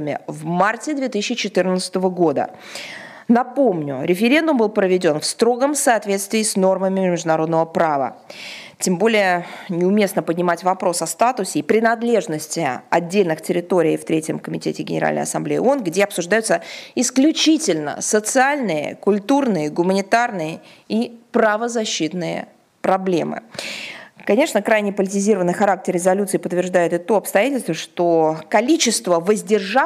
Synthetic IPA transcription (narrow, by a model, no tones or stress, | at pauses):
mʲɪ̰vmartʲɪd̪vʲe̞t̪isʲɪɕɪt͡ɕɪt̪ɨrnət̪sɨ̥t̪əvəɡo̞d̪ə̰ | nɐpo̞mnʲʊɾʲɪfʲɪɾʲe̞nd̪ʊmbɨlˠpɾəvʲɪdʲo̞nfst̪ɾo̞ɡəmsɐːt̪vʲe̞t̪st̪vʲɪːsno̞rməmʲɪmʲɪmʲɪʐd̪ʊnɐɾo̞d̪nəvəpɾavə̰tʲembo̞lʲɪjənʲɪʊmʲe̞snəpədʲnʲɪmatʲvɐpɾo̞sɐst̪at̪ʊsʲɪːpɾʲɪnɐd̪lʲe̞ʐnəsʲtʲɪɐ̰dʲːelʲnɨxtʲɪɾʲɪt̪o̞ɾʲɪift̪ɾʲetʲjəmkəmʲɪtʲetʲɪɡʲɪ̰nʲɪ̰ɾa̰lʲnə̰jɐ̰sɐ̰mblʲejɪ̰o̞nɡdʲeɐpsʊʐd̪ajʊt̪səɪsklʲʊt͡ɕitʲɪlʲnə̰sət̪sɨalʲnɨjə̰kʊlʲt̪urnɨjəɡʊmənʲɪt̪arnɨjə | ipɾəvəzɐɕːit̪nɨjə̰ | pɾɐblʲe̞̰mɨ̰ | kɐnʲe̞ʂnəkɾajnʲɪpəlʲɪtʲɪzʲiɾəvənːɨjxɐɾak̚tʲɪrːʲɪzɐlʲut̪sɨɪpət̪ːvʲɪrʐd̪ajɪt̪ɨt̪oɐpst̪ɐjatʲɪlʲst̪vəʂt̪okɐlʲit͡ɕɪst̪vəvəzʲdʲɪrʐa